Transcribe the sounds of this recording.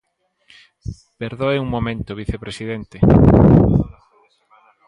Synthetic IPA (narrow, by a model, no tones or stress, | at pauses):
peɾðoeuŋmomẽnt̪oβiθepɾesiðent̪e